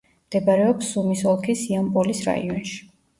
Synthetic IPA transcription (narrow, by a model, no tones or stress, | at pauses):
md̪̥ɛbaɾɛɔpsumisɔlˠkʰisiampʼɔlisɾa̰ḭɔnʃi̥